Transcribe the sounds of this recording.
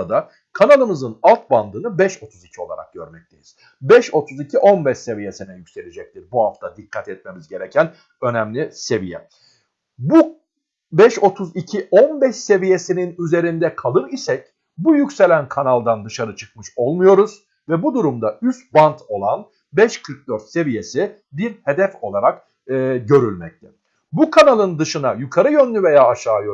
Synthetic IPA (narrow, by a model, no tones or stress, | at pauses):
ad̪a | kʰanalˠɯmɯzɯnalˠt̪̚band̪ɯːnɯbɛʃo̞t̪ʰuzicʰio̞lˠa̰ɾa̰k̚ɟø̞̰ɾmɛc̚t̪ʰe̞jiz̥ | bɛʃo̞t̪ʰuzicʰiʔo̞nbɛʃse̞vije̞sinɛjycʲse̞lʲid͡ʒɛc̚t̪ʰiɾbuhaft̪ʰad̪ikʰːat̪ɛt̪̚me̞mizɟe̞ɾɛcʰæn | ø̞næmlʲise̞vijɛ̰ | bu | bɛʃo̞t̪ʰuzicʰiʔonbɛʃse̞vije̞sininyze̞ɾind̪ɛkʰalˠɯɾisɛc | bujycse̞lʲænkʰanalˠd̪and̪ɯʃaɾɯt͡ʃʰɯ̥kmɯʃo̞lˠmujo̞ɾuz̥ | vɛbud̪uɾumd̪ayst̪̚bant̪ʰo̞lˠan | bɛʃkʰɯɾk̚d̪øɾt̪se̞vije̞si | biɾhe̞d̪ɛfo̞lˠaɾakː | ɟø̞ɾylʲmɛc̚t̪ʰɛ | bukʰanalˠɯnd̪ɯʃɯnajukʰaɾɯjø̞nlʲyve̞jaːaʃaːjø